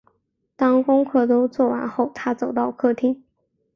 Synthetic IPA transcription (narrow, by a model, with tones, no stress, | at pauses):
t̪ɑ˥ŋkʊ˥ŋkʰɤ˥˩t̪o˥ʊt͡swɔ˥˩wa̰˧˥nxo˥˩ʊt̪ʰa˥t͡so˨˩ʊt̪ɑ˥˧ʊkʰɤ˥˩t̪ʰi˥ŋ